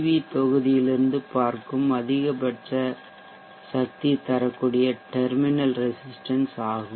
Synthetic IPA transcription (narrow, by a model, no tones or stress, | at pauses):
ʋit̪ɔɣɯðɪjɪlɪɾɯnd̪ɯpaːɾkɯmɐðɪɣɐpɐʈrɐ | sɐk̚t̪it̪ːɐɾɐkːuːɽɪjɐʈɛɾmɪnɐlɾɪsɪsʈɐnsaːɣɯ